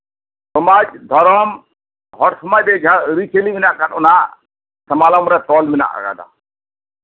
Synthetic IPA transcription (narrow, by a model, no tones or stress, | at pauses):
sɔmad͡ʒd̪ʱɔɾɔm | ɦɔɾsɔmajbɛd͡ʒʱaɾit͡ʃeliminaʔkaʈɔna | sɐmalɔmɾɛt̪ɔlmina̰ʔa̰ɡa̰d̪a̰